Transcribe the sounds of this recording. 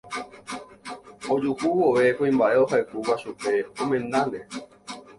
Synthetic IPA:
od͡ʒukuwoʋe̞kũĩmbaʔe̞ohaekuwaʃupe̞õmẽ̞nãɾe

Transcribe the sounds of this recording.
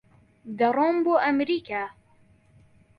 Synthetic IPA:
d̪ɐromboːʔɐmɾiːkʰaː

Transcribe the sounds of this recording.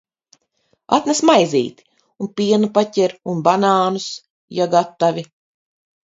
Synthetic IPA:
a̰t̪nɛsmajzḭːt̪i̥ | unpiɛnupacʲɛɾunbanaːnus | jaɡat̪ːavʲi

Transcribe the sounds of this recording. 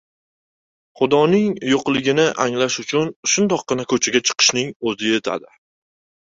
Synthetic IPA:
χʊd̪ɒnɪŋjoqlˠɪɡʲɪnɪʔaŋlaʃʊt͡ʃʰʊnʃʊnd̪ɒqːɨnakʰɵt͡ʃʰaɡʲat͡ʃʰɨ̥qʰɨ̥ʃnɪŋɵzɪje̞t̪ʰa̰d̪ɪ

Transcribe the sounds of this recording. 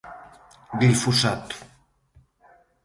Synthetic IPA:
d̪ilfusat̪u̥

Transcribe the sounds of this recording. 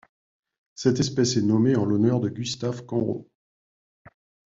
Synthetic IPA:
sɛt̪ɛspɛsɛnɔmeɑ̃lɔnœʁd̪əɡʲyst̪afkɑ̃ʁo̰

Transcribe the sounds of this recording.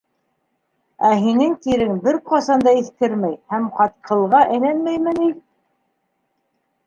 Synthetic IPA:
æɦinɘŋt̪iɾɘŋbɘɾqɑsɑnd̪ɑiθkɘɾmæjhæmqɑt̪̚qʰɤ̆lˠʁɑʔɘ̆lænmæjmɘni

